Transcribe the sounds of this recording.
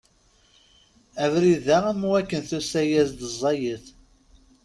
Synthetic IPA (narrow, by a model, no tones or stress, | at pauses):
ævɾiðææmwækːənθusæjæzd̪əzˤːɑjəθ